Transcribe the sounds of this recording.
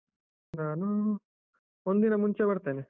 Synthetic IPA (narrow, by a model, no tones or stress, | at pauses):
naːnu | ond̪inɐmuɲt͡ʃebɐɽt̪eːne